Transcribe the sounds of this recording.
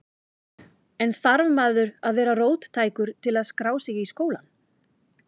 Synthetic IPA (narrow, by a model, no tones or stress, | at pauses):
ɛnθaɾvmaːðʏɾaðvɛːɾaroːwt̪t̪ʰaːjkʏɾ̥t̪ʰɪlaðskɾaːwsiːɣaiskoːwlan